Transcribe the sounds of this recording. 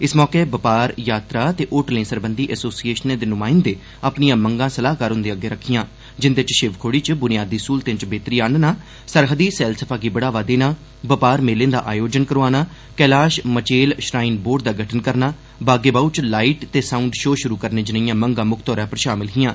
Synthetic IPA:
ɪsmɔːkebəpaːɾjaːt̪ɾaːt̪eːʔoːʈlẽːsəɾbənd̪iːʔɛːsoːsieːʃnẽːd̪eːnʊmaːɪnd̪eː | əpnijãːməŋɡãːsəlaːɦkaːɾɦʊ̃nd̪eːəɡeːɾəkʰːɪjãː | d͡ʒɪnd̪et͡ʃʃɪʋkʰoːɽiːt͡ʃəbʊnɪjaːd̪iːskuːlt̪ẽt͡ʃbeːt̪ɾiːaːɳnaː | səɾɦəd̪iːsɛːlsəpʰaːɡiːbəɽaːʋaːd̪eːnaː | bəpaːɾmeːlẽːd̪a̰ːʔaːjoːd͡ʒənkəɾoːaːnaː | kɛːlaːʃmət͡ʃeːlʃɾaːiːnboːɖd̪aːɡʱəʈʰənkəɾnaː | baːɡeːbaːut͡ʃlaːiʈt̪eːsaːuɳɖʃoːʃʊɾuːkəɾnẽːd͡ʒɪnəjãːməŋɡãːmʊkʰt̪ɔːɾãːpəɾʃaːmɪlɦɪjãː

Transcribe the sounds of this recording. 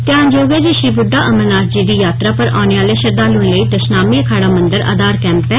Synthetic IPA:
t̪ɪãːɲd͡ʒoːɡeːd͡ʒeʃiːbʊɖːaːʔəmənaːɾd͡ʒiːd̪iːjaːt̪ɾaːpəɾa̰ːneːaːleːʃəɾd̪aːluẽləiːt̪əsnaːmiːəkʰaːɽaːmə̃nd̪əɾa̰ːd̪aːɾkɛ̃ːmpɛː

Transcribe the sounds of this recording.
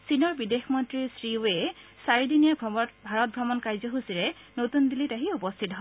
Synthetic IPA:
sinɔɹbidexmɔntɹisɹioɛsaɹidinijaɡbʱaɹɔt̚bʱɹɔmɔnkajzɔɦusiɹɛ | notundilitaɦiupɔstʰitɦɔ

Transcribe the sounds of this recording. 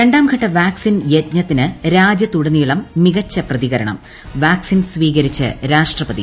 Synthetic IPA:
ɾe̞ɳɖaːmɡʱɐʈːɐʋaːksinjet̪ɲɐt̪ːinɨɾaːd͡ʑjɐt̪uɽɐnːijuɭɐmːiɣɐt͡ɕːɐprɐðiɣɐɾɐɳɐ̰m | ʋaːksinsʋiːɣɐɾit͡ɕːɨ̰ɾaːʂʈrɐpɐðḭ

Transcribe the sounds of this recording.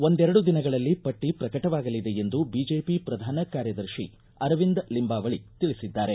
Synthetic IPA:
o̞nd̪ɛɾɐɽud̪inɐɡɐɭɐlːipɐʈːipɾɐkɐʈɐʋaːɡɐlid̪eend̪ubiːd͡ʒeːpipɾɐd̪ʱaːnɐkaːɾjɐd̪ɐɾʃḭ | ɐɾʋind̪limbaːʋɐɭit̪iɭisid̪ːaːɾe̞

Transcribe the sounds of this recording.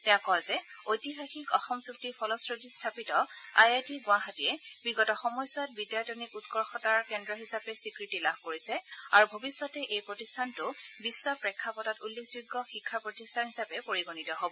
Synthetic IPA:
tɛãkɔzɛojtiɦaxikɔxɔmsuktipʰɔlɔsɹodistʰapitɔajatiɡʊ̃aɦatiɛbiɡɔtɔxɔmɔjsɔt̚bidjatonikutkɔɹxɔtaɹkɛndɹɔɦisapɛsikɹitilabʱkoɹisɛaɹubʱobisːɔtɛʔejpɹotistʰantʊbisːɔpɹɛkʰːapɔtatulːekzuɡːɔxikʰːapɹotistʰanɦisapɛpoɹiɡonitɔɦobɔ

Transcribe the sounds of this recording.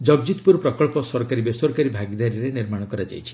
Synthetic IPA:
d͡ʒɔɡd͡ʒit̪puɾɔpɾɔkɔɭpɔsɔɾɔkaɾibesɔɾɔkaɾibʱaɡid̪aɾiɾeniɾmaɽ̃ɔkɔɾad͡ʒa̰jt͡ʃʰi̥

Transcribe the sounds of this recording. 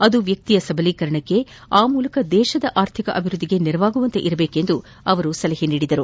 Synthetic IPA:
ɐd̪uʋjɐk̚t̪ijɐsɐbʱɐliːkɐɾɐɳɐkːe̞ | aːmuːlɐkɐd̪ɛːʃɐd̪ɐʔaːɾt̪ʰikɐʔɐbʱiɾud̪ːiɡe̞niɾɐʋaːɡuʋɐnt̪e̞̰ʔiɾɐbe̞ːke̞nd̪u | ɐʋɐɾusɐlɐɦiniːɽid̪ɐɾu

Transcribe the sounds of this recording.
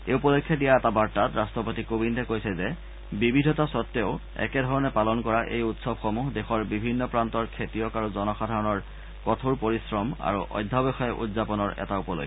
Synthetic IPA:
eupɔlokʰːjɔdijaɛtabaɹtatɹastɔpotikobindʱɛkojsɛzɛ | bibidʱɔtasɔtːeʊ | ɛ̰kɛdʱɔɹɔnɛpalɔnkɔɹaʔḛjutsɔbxomuɦdexɔɹbibʱinːɔpɹantɔɹkʰetijɔkaɹuzɔnɔxadʱaɹɔnɔɹ | kɔtʰuɹpoɹisɹɔma̰ɹuʔɔ̰jdʱːabɛxɔjɛʔṵdzapɔnɔɹʔɛ̰taupɔlo̰kː

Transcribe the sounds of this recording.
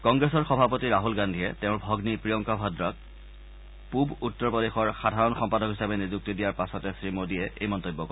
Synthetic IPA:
kɔŋɡɹesɔɹxɔbʱapotiɹaɦulɡandʱiɛtɛʊɹbʱɔɡnipɹiɔŋkabʱɔdɹɔk̚ | pubutːɔɹpodexɔɹxadʱaɹɔnxɔmpadɔkɦisabɛnizuk̚tidijaɹpasɔtɛsɹimodiɛʔejmɔntojbːɔkɔ

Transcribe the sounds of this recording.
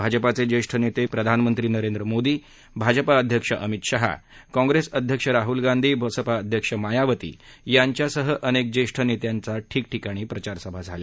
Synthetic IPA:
bʱad͡zəpat͡sed͡ʑeʂʈʰənet̪epɾəd̪ʱanmənt̪ɾiːnəɾẽnd̪ɾəmod̪iː | bʱad͡zəpaəd̪ʱjəkʂəʔəmit̪ɕəɦa̰kɔ̃ŋɡɾesəd̪ʱjəkʂəɾaɦulɡand̪ʱiːbʱəsəpaəd̪ʱjəkʂəmajaʋət̪ḭːjaɲt͡ɕjasəɦəʔənek̚d͡ʑeʂʈʰənet̪jant͡saʈʰiːk̚ʈikaɽ̃iːpɾət͡ɕaɾsəbʱad͡zʱale

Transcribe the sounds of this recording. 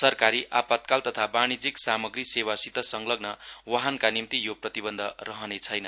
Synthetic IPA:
sʌrkaɾiʔapat̪̚kalt̪ʌt̪ʰabaɽ̃id͡ziksamʌɡrisewasit̪ʌsʌŋlʌɡnʌwaɦankanimt̪ijoprʌt̪ibʌnd̪ʱʌrʌɦʌnet͡sʰʌjnʌ

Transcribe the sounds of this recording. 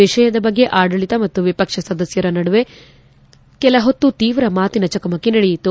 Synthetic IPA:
iʃɐjɐd̪ɐbɐɡːe̞ʔaːɽɐɭit̪ɐmɐt̪ːuʋipɐkʂɐsɐd̪ɐsjɐɾɐnɐɽuʋe | kɛlɐɦot̪ːut̪iːʋɾɐmaːt̪inɐt͡ʃɐkɐmɐkːenɐɽejit̪ːu

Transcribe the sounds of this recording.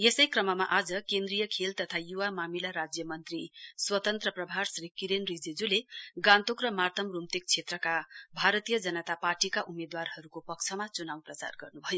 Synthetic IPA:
jesʌjkrʌmʌmaʔad͡zʌkend̪rijʌkʰelt̪ʌt̪ʰajuwamamilaɾad͡zjʌmʌnt̪riswʌt̪ʌnt̪rʌprʌbʱarsrikiɾenrid͡zed͡zuleɡãnt̪okrʌmart̪ʰʌmrumt̪ek̚t͡sʰet̪rʌkabʱaɾʌt̪ijʌd͡zʌnʌt̪aparʈikaʔumed̪warhʌɾukopʌk̚t͡sʰʌmat͡sunawprʌt͡sa̰rɡʌrnubʱʌjo

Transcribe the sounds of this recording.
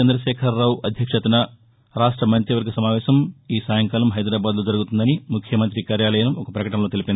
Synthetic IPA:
ɐnd̪ɾɐʃɛːkʰɐɾːaːʋɐd̪ʱjɐkʂɐt̪unɐ | ɾaːʂʈɾɐmɐɲt͡ʃiʋɐɾɡɐsɐmaːʋɛːʃɐmiːsaːjɐŋkaːlɐmɦɐjd̪ɾaːbaːd̪lo̞ːd͡ʒɐɾuɡut̪und̪ɐnimukʰjɐmɐnt̪ɾikaːɾjaːlɐjaːlɐmɔkɐpɾɐkɐʈɐmloːt̪elipʲind̪i

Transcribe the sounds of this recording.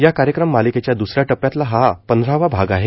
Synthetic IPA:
jakaɾjəkɾəmːaliket͡ɕjad̪usɾjaʈəpːjat̪laɦapənd̪ʱɾaʋabʱaɡaɦe

